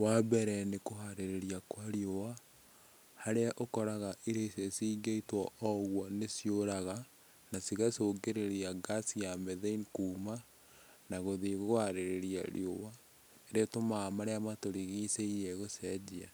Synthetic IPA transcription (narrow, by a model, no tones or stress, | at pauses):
wabɛɾɛnekoɦaɾeɾeɾiakwaɾiowa | haɾeaʔokɔɾaɣaʔiɾesesiɡeitwɔʔɔɣwɔnesjoɾaɣa | nasiɣasoɡeɾeɾiaɡasijameðeinkuːma | naɣoðeɣoɣohaɾeɾeɾia̰ɾj̰owa | eɾetomaːmaɾeamatoɾiɣiseiɾeɣosɛd͡ʒia